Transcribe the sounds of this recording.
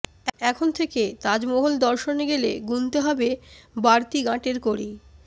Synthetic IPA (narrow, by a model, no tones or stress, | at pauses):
ɛkʰont̪ʰeket̪ad͡ʑmɔɦold̪ɔɾʃoneɡelḛɡunt̪eɦɔbebaɾt̪iɡãʈeɾkoɾi